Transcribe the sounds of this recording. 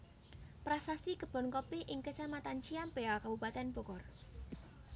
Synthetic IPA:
pɾasasikəb̥ɔ̤nkɔpɪhʔɪŋkət͡ʃamat̪ant͡ʃiampeakab̥upat̪ɛnb̥ɔ̤kɔr

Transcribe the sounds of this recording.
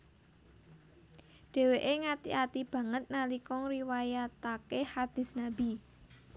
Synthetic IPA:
ɖ̥ɛ̤weʔeŋat̪ḭʔat̪ib̥ä̤ŋət̪̚nalikɔŋɾiwajat̪akehad̪̥i̤snabi

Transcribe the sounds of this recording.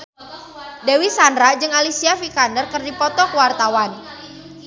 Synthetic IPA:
dewisandɾad͡ʒɨŋalisiafikandərkərdipɔt̪ɔkəwart̪awan

